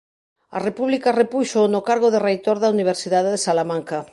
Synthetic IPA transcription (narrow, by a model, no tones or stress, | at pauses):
a̰repuβlikarepuʃonokaɾɣoðerejt̪oɾðauniβ̞eɾsiðaðeðesalamãŋka